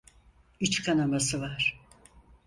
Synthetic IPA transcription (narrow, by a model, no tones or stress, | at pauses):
it͡ʃkʰanamasɯvaɾ̥